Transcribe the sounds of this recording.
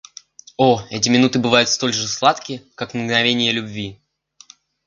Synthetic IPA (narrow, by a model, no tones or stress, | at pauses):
oɛtʲɪmʲɪnut̪ɨbɨvajʊt̪st̪o̞lʲʐɨslˠat̪kʲɪkaknɡnɐvʲenʲɪjəlʲʊbvʲi